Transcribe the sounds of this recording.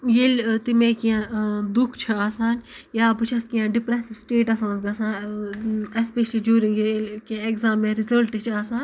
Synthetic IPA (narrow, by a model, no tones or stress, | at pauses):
jelt̪imẽːkijãd̪ukʰt͡ʃʰɐaːsaːnjaːbɨt͡ʃʰɐskijãːɖipɾɛsiʋsʈeːʈɐsãːnsɡɐsãːn | espeʃlid͡ʒjuːɾĩŋɡelkãeɡzaːmːẽːɾizɐlʈɨt͡ʃʰaːsãːn